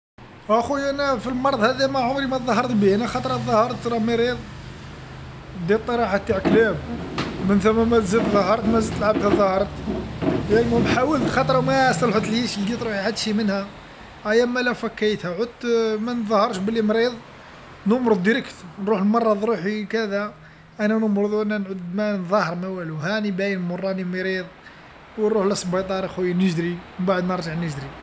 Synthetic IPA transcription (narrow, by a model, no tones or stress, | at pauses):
ʔæxuʔænæfilmɑɾˤd̪ˤhæðimæʕomɾimæt̪ðˤɑɦɑɾˤt̪biænæxɑt̪ˤɾˤɑðˤɑhɑɾˤt̪ɾˤɑmeɾiðˤ | d̪it̪ˤːiɾˤɑħat̪ːaʕklæmmənθæmːæmæzət̪ðˤɑhɑɾˤt̪mæzəlt̪əlʕab̚d̪hæðˤɑhɑɾˤt̪ | jænimæbħawəlt̪xɑt̪ˤɾˤmæst̪ælħut̪əlhiʃld̪it̪ˤɾuħiħad̪ːʃimənhæ | ʔæjæmælæfækːæjt̪hæʕʊd̪mænðˤhɑɾˤʃbəlːimɾiðˤ | nəmɾod̪ːiɾəkt̪nɾuħəlmɑrˤːɑd̪ˤɾuħikæd̪æ | ʔænænəmɾˤod̪ˤwʔænːænʕud̪mænðˤɑhəɾˤmæwæluhænibæjənlmorˤːɑnimiɾiðˤ | wnɾuħlɑsˤbɑjt̪ˤɑɾˤixujnəʒd̪ɾimənbaʕəd̪nəɾˤʒaʕnəʒd̪ɾi